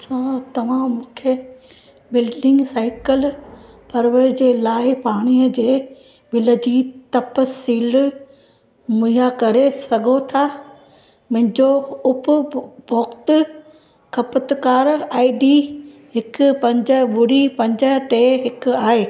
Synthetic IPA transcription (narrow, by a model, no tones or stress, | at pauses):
sãːt̪ɐʋ̤ãmũːkʰe | bɪlɖɪ̃ŋɡsaːɪkəl | pɐɾʋəɾd͡ʑeːlaːɪpaːɽ̃iːəd͡ʑeː | ɓɪləd͡ʑiːt̪ɐpəsiːl | mʊijakɐɾesɐɡʱot̪ʰa | mɐ̃ɦɪ̃ɲd͡ʑoʊpʊbɔːkt̪ʊ | kʰɐpət̪kaːɾaːɪɖiːɦɪkʊpɐ̃ɲd͡ʑəɓʊɽipɐ̃ɲd͡ʑəʈeːɦɪkʊaːɦeː